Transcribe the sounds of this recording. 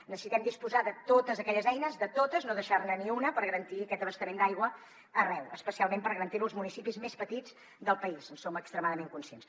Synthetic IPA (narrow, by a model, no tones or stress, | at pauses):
nəsəsit̪ɛmd̪ispuzaðət̪ot̪əzəkɛʎəzɛjnəzðət̪ot̪əznoðəʃarnəniunəpəɾɣəɾənt̪iəkɛt̪̚d̪əβəst̪əmend̪ajɣwə | ərɛwəspəsialˠmempəɾɣəɾənt̪iɾuəlˠzmunisipizmespət̪id͡z | ðəlˠpəizənsoməkst̪ɾəmaðəmeŋkunsiens